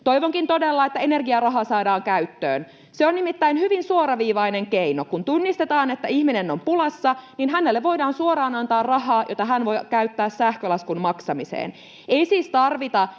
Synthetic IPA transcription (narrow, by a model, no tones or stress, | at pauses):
t̪oiʋoŋkint̪odelːɑet̪ːæenerɡiɑrɑɦɑsɑːdɑːŋkæyt̪ːø̰ːn | seonnimit̪ːæinhyʋinsuoɾɑʋiːʋɑineŋkeinokunt̪unːist̪et̪ɑːnet̪ːæihminenːompulɑsːɑninɦænelːeʋʋo̞jdɑːnsuoɾɑːnɑnt̪ɑːrrɑhɑːjot̪ɑɦænʋo̞jkæyt̪ːæːssæhkølɑskunmɑksɑmisḛːn | eisiːst̪ɑrʋit̪ɑ